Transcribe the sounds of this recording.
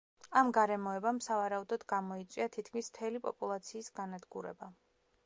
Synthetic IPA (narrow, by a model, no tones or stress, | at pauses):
amɡaɾɛmɔɛbamsavaɾaud̪ɔd̪ɡamɔit̪sʼiat̪ʰit̪̚ʰkʰmismt̪ʰɛlipʼɔ̰pʼulˠat̪sʰiːsɡanad̪ɡuɾɛ̰ba